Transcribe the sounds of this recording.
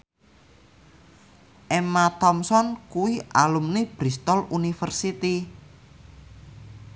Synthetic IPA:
ʔɛmat̪ɔmsɔnkuwiʔa̰lumneb̥ɾist̪ɔlunifərsit̪i

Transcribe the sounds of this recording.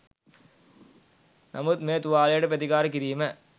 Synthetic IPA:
nʔɐ̰mut̪̚meːt̪uʋaːlɐjɐʈɐpɾɐt̪ikaːɾək̬iɾijmə

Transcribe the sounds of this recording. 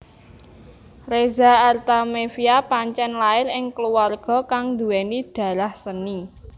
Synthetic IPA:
rezaːrt̪amefiapaɲt͡ʃɛnlaɪlɪŋkəluwarɡ̥ɔ̤kaŋnd̪ṳwɛnid̪̥a̤ɾahsəni

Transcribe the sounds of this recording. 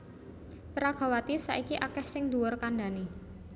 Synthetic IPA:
pəɾaɡ̥a̤wat̪isa̰ʔikiʔakɛhsɪŋd̪uɔrkanɖa̤ni

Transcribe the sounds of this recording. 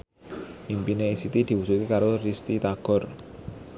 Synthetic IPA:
ʔimpineisit̪id̪̥i̤wusukikaɾorist̪it̪aɡ̥ɔ̤r

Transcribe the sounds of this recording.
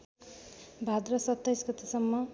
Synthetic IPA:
bʱad̪rʌsʌt̪ːajsɡʌt̪esʌmːʌ

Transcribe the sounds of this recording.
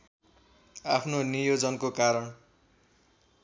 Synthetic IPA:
apʰnonijod͡zʌnkokaɾʌn

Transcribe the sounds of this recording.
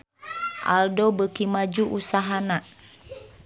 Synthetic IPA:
ʔa̰ldobəkimad͡ʒuʔusaɦanaʔ

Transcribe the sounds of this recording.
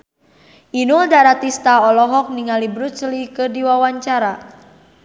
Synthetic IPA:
ʔinuldaɾat̪ist̪aɔlɔɦɔk̚niŋalibɾut͡ʃlikɨrdiwawaɲt͡ʃaɾa

